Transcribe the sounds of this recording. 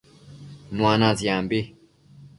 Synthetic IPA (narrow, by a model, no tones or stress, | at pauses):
nw̃ãːnãzjãmbi